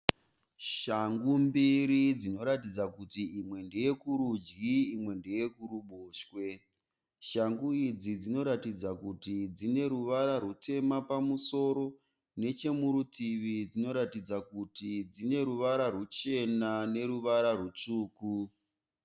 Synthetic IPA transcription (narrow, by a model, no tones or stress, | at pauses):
ʃaŋɡumbiɾid͡zino̞ɾatid͡zakutiimwe̞nde̞je̞kuɾud͡ʒɡiːmwe̞nde̞je̞kuɾuɓoːʃwe̞ | ʃaŋɡuid͡zid͡zino̞ɾatid͡zakutid͡zine̞ɾuʋaɾarute̞mapamuso̞ɾo̞ | ne̞t͡ʃe̞muɾutiʋid͡zino̞ɾatid͡zakutid͡zine̞ɾuʋaɾarut͡ʃe̞nane̞ɾuʋaɾarwut͡ʂuːku